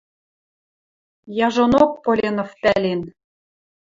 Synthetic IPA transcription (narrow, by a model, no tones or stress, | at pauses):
jɑʒonok̚polʲenŏfpælen